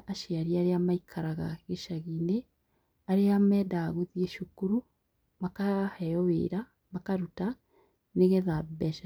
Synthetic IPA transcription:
ʔaʃeaɾiaɾeamaikʰaɾaɣa̰ɣeʃaɣine | aɾeamɛdaɣoðieʃukuɾu | makahɛjɔwḛːɾa | makaɾuta | neɣɛðabɛʃa

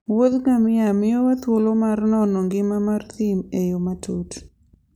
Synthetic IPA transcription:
wod̪ɡamɪamɪjowat̪wolomarnɔnɔŋɡɪmamart̪imejomatʰot

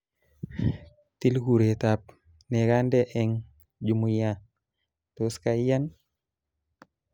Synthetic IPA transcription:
tilɡuɾetap̚ | nekandeʔɛŋ | d͡ʒumuja | toskajan

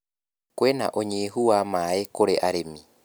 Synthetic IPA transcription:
kwena̰ʔoɲeːɦuamaːekoɾeʔaɾemi

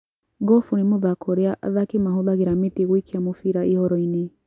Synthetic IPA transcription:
ɡɔfunimoðakʰɔɾeaʔa̰ðakemaɦoðaɣeɾametiɣwikiamofiɾaihɔɾɔine

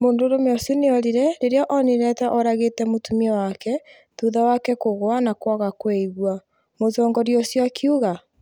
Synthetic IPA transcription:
moːndoɾomeɔsoneɔɾiɾɛɾeɾeɔʔɔneɾɛtaʔɔɾaɣetɛmotumiɛwakɛ | ðuðawakɛkoɣoanakwaɣakweiɣwa | mozɔːŋɡɔɾiɔsjakʰiuɣa

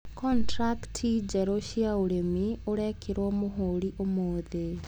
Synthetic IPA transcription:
kɔntɾaktʰid͡ʒɛɾoɕiaoɾemioɾɛkʰeɾwɔmoɦoːɾiʔomoːðe

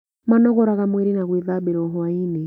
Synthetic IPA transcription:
manɔɣɔɾaɣamwɛɾinaɣwiðaɓɛɾɔɦɔainɛ

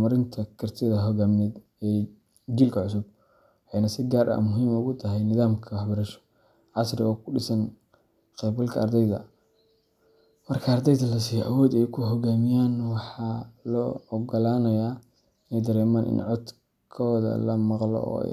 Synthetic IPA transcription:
mɐɾɪnt̪ʰɐkʰɐrt̪ʰɪðɐɦɔɡaːmnɛd̪ | ɛː | d͡ʒilkʰɐʕʊsʊb̚ | ʔɛjnɐsɪɡaːɾʔɐ̰mʊɦiːmʊɣʊt̪ʰɐɦɛjnɪðaːmkʰɐwɑħbɐɾɐʃɔ̥ | ʕɑsrɪɔːkʰʊɖɪsɐn | qɛbɐlkʰɐɐrd̪ɛjðɐ̰ | mɐrkʰɐːrd̪ɛjðɐlɐs̬iːjɔʔɐwɔːd̪ɛjkʰʊɦɔɡaːmɪjaːnwɑħɑːlɔːɔɡɔlaːnɐjaː | ɪnɛjd̪ɐɾɛːmaːnʔɪ̰nʕɔd̪ | kʰɔːðɐ̰lɐmɑqlɔ̰ɔ̰

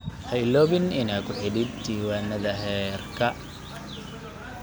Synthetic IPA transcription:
hɐɪlɔːβɪnɪnaːkʰʊħɪɽɪd̪̚t̪iːwaːnɐðɐɦɛːrkʰɐ

